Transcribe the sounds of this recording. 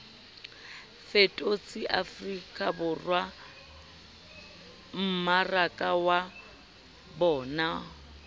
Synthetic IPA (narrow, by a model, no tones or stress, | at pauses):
fetʼot͡sʼɪʔafrikʼabʊrwa | m̩marakʼawa | bɔːna